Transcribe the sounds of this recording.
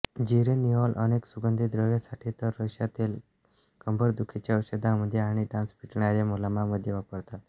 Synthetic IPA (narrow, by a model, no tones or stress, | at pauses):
d͡ʑiɾeniɦɔlʔəneksuɡənd̪ʱid̪ɾəʋjasaʈʰiːt̪əɾːəɕjat̪iːl | kəmbʱəɾd̪ukʰet͡ɕaəwsəd̪ʱaməd̪ʱjeaɽ̃iɖãnspiʈɳaɾjamolamaməd̪ʱjeʋapəɽt̪at̪